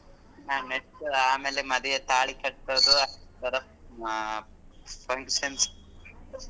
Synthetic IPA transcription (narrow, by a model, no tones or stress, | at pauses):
naːneʈaːmeːlemɐd̪ijet̪aːɭikɐʈtod̪uɐt̪ɐɾɐp | pʰɐŋkʃɐns